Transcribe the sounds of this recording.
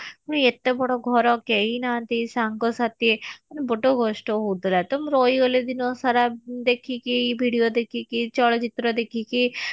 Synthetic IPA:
uniet̪ːebɔɽoɡʱɔɾɔkeinant̪isaŋɡɔsat̪eɐnbɔɖoɡoʃʈoɦod̪ilat̪omɾoioled̪inosaɾad̪ekʰikiibʱiɽijod̪ekʰikit͡ʃɔɭt͡ʃit̪ɾɔd̪ekʰiki

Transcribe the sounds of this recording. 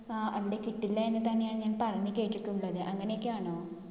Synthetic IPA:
ɐʋiɽe̞kiʈːilːɐenːɨt̪ɐnːejaːɳɨɲaːnpɐrɐmikʲːɐɻit͡ɕːiʈːuɭːɐðɨʔɐŋːɐne̞jokːeaːɳoː

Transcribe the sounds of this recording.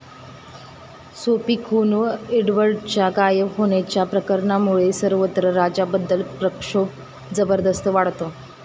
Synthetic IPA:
sopiːkʰunʋəeɖʋəɾɖt͡ɕjaɡajəɦoɽ̃at͡ɕjapɾəkəɾɳamuɭesəɾʋət̪ɾəɾad͡ʑabəd̪ːəlpɾəkʂo | d͡zəbəɾd̪əst̪əʋaɽt̪o

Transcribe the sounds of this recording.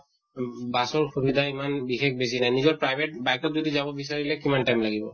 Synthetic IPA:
basɔɹxubid̪ʱaimanbixekʰbes̬inajnizɔɹpɹajbʱeʈ̚bajk̚tɔk̚zod̪izabɔbis̬aɹilɛkimanʈajmlaɡibɔ

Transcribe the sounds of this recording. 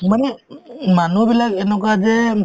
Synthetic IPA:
manɛmanubilakɛnɔkazɛ

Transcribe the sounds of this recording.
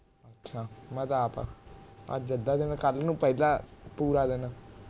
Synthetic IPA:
ətːʃʰaːmə̃ːt̪aːpa̰ːa̰d͡ʒəd̪aːd̪eːnãːkəlnũːpəɪlaːpuːɾaːd̪eːnaː

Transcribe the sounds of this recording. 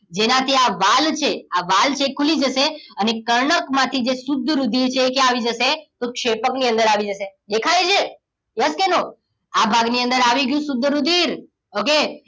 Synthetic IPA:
d͡ʒenãt̪ʰiaʋalt͡ʃʰeaʋalt͡ʃʰekʰulid͡ʒəʃeənekəɾɳəkmãt̪ʰid͡ʒesʊd̪ʱːəɾud̪ʱiɾt͡ʃʰeːkeaʋid͡ʒəʃet̪okʃepəkniə̃nd̪əɾaʋid͡ʒəʃed̪ekʰajd͡ʒʰe | jəskeno | abʱaɡniənd̪əɾaʋiɡjũsʊd̪ʱːəɾud̪ʱiɾ | oke

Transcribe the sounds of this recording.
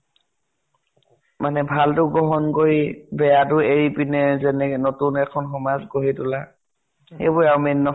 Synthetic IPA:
manɛbʱaltʊɡɔɦɔnkoɹibɛjatʊeɹipinɛzɛnɛɛnotunɛkʰɔnxɔmazɡoɦitʊla | xḛjbʊɹawminːɔ

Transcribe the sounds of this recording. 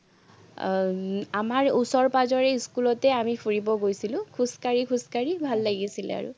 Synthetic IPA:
amaɹusɔɹpazɔɹɛiskulɔtɛamifʰuɹibɔɡojsilʊ̃kʰuskaɹikʰuskaɹibʱalːaɡisilɛ̰a̰ɹʊ̰

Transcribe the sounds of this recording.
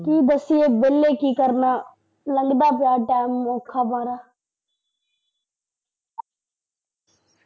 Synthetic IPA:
kiːd̪əsɪːeːbeːlːeːkiːkəɾnaː | ləŋɡd̪aːpɪjaːʈaːɪmːõːkʰaːbãːɾaː

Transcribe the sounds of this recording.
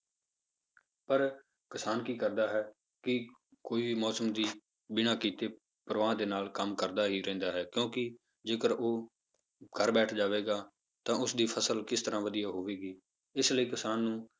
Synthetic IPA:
pəɾ | kəsaːnkiːkəɾd̪aːɦɛː | kɪ | koːiːʋiːmɔːsəmd̪iː | bɪnaːkiːt̪eː | pəɾʋaːd̪eːnaːlkəmkəɾd̪aːɦiːɾɛ̃ːnd̪aːɦɛːkjõːkɪ | d͡ʒeːkəɾʔoː | ɡʱəɾbɛːʈʰd͡ʒaːʋeːɡaː | t̪ãːʊsd̪iːpʰəsəlkɪst̪əɾãːʋəd̪ijaːɦoːʋeːɡiː | ɪsləiːkɪsaːnːũː

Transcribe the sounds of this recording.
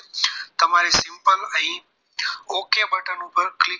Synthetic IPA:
t̪ɐm̤aːɾesɪ̃mpəlɛ̃ː | oːkebɐʈənũpɐɾklɪ

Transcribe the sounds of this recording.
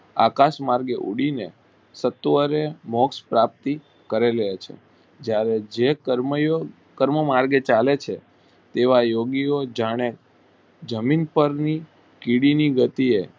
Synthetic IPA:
a̰kaʃmaɾɡeʔṵɽine | sət̪ʋəɾemɔkspɾap̚t̪i | kəɾelet͡ʃʰḛ | d͡ʒjaɾed͡ʒekəɾmjo | kəɾməmaɾɡet͡ʃalet͡ʃʰe | t̪eʋajoɡiod͡ʒaɽ̃e | d͡ʒəminpəɾni | kiɽiniɡət̪ie

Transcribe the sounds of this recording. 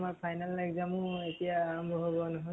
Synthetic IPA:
maɹpʰajnalːaɡzamũetijaːɹɔmbʱɔɦobɔnɔɦɔ

